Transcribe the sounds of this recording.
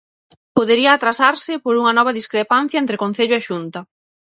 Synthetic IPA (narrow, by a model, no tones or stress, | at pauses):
poðeɾiɐːt̪ɾasaɾsɪpoɾuŋɐnɔβ̞ɐðiskɾepan̟θjaɐent̪ɾekon̟θeʎʊeʃunt̪ɐ